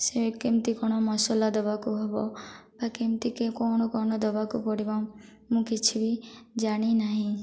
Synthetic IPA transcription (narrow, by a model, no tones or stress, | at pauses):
sekimt̪ikɔɽ̃ɔmɔsɔlad̪ɔbakuɦɔbɔb̥akimt̪ikekɔɽ̃ɔkɔɳ̃ɔd̪ɔbakupɔɽiba | mũkit͡ʃʰibid͡ʒaɽ̃inaɦĩ